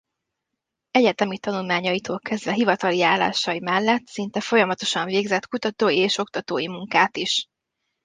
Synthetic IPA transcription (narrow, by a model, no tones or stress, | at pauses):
ɛɟɛt̪ɛmit̪ɒnulmaːɲɒjit̪oːlkɛzd̪vɛɦivɒt̪ɒlijaːla̰ːʃɒjimɛlːɛt̪sint̪ɛfo̞jɒmɒt̪o̞ʃɒɱveːɡzɛt̪kut̪ɒt̪oːjieːʃo̞k̚t̪ɒt̪oːjimuŋkaːt̪iʃ